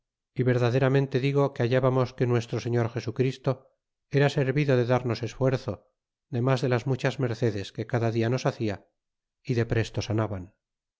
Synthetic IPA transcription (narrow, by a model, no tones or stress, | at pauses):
iβe̞ɾðaðe̞ɾamẽ̞nt̪eðiɣo̞keaʝaβamo̞skenwe̞st̪ɾoseɲoɾxe̞sukɾist̪o | e̞ɾase̞ɾβiðo̞ðe̞ðaɾno̞se̞sfwe̞ɾθo̞ | ðe̞mazðe̞lazmut͡ʃazme̞ɾθe̞ðe̞ske̞kaðaðiano̞saθia | iðe̞pɾe̞st̪o̞sanaβan